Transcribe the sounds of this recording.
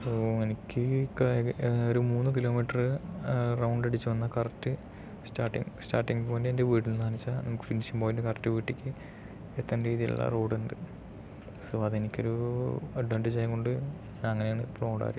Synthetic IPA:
poːenikʲːɨkoɾumuːnːɨk̬ilo̞ːmiːʈːɐrɨrɐwɳɖeɽit͡ɕːɨʋɐnːɐkɐrɐtːɨ | staːʈːḭŋstaːrʈːiŋɡpoːndeendeʋiːʈːilnanit͡ɕːanɐmukːɨ̥finisimboːjndɨkɐrɐtːɨʋiːʈːikʲːɨ | et̪ːɐnɾiːðijṵɭːɐ̰roːɽuɳɖɨ | soːɐðe̞nikʲːo̞ɾuɐɖʋɐɳʈid͡ʑaːjko̞ɳɖɨɲaːnɐŋːɐneaːɳɨploːɽa̰ːɾi

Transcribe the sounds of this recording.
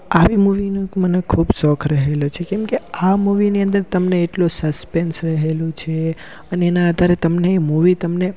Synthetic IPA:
aʋimuʋinmənekʰubsɔkʰɾəɦelot͡ʃʰekɛ̃mkeamuʋiniə̃nd̪əɾt̪əmneːʈlusəspensɾəɦelũt͡ʃʰe | əneːnaəd̪ʱaɾet̪əmnemuʋit̪əmne

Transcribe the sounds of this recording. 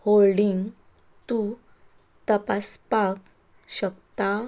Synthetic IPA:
holɖiŋɡ | t̪u | t̪əpaspak | ɕəkt̪a

